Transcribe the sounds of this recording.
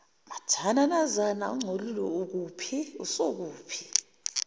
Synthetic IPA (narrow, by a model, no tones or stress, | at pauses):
matʰananazana̰uŋ͡ǀʱolulɔuk̬uːpʰiusok̬uːpʰi̥